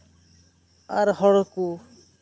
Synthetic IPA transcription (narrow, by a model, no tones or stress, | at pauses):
a̰ɾhɔɽɔku